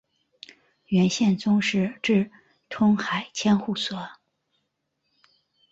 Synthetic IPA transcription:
ɥɛ˧˥nɕjɛ˥˩nt͡sʊ˥ŋʂɻ̩˥˧ʈ͡ʂɻ̩˥˩ | t̪ʰʊ˥ŋxa˨˩ɪt͡ɕʰjɛ˥nxu˥˩sɤ˧˥˦

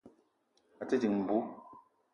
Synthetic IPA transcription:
a˨ti˦ti˨ŋm̩˨bu˦

